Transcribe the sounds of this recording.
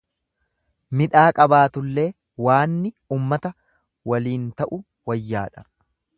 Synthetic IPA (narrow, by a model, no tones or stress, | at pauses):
mɪᶑaːkʼɐbaːt̪ʊlːe̞ː | waːnːɪ | uːmːɐt̪ɐ | wɐliːnt̪ɐʔʊ | wɐjːa̰ːᶑɐ̥